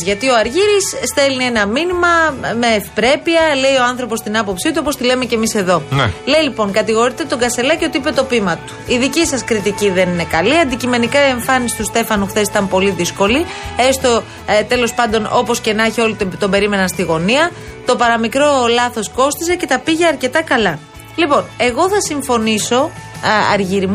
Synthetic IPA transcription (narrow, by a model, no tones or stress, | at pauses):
ʝɐt̪io̞ɐɾʝiɾisst̪e̞lnie̞nɐminimɐme̞ːfi̥pɾe̞piɐle̞io̞ɐnθɾo̞post̪inɐpo̞psit̪uopost̪ile̞me̞ce̞mise̞ðo̞le̞ilipo̞ŋkɐt̪iɣo̞ɾit̪e̞t̪o̞ɡɐse̞lɐcio̞t̪iipe̞t̪o̞pimɐt̪u̥iðicisɐskɾit̪iciðe̞nine̞kɐliɐnd̪icime̞nikɐe̞ɱfɐnisi̥t̪ust̪e̞fɐnuxθesi̥t̪ɐmpo̞liðisko̞liest̪o | t̪e̞lo̞spɐnd̪o̞no̞po̞sce̞nɐçio̞lit̪t̪o̞be̞ɾime̞nɐnst̪iɣo̞niɐ | t̪o̞pɐɾɐmikɾo̞lɐθo̞sko̞st̪ise̞ce̞t̪ɐpiʝe̞ɐɾce̞t̪ɐkɐlɐ | lipo̞ne̞ɣo̞θɐsiɱfo̞niso̞ɐ̰ɾʝiɾm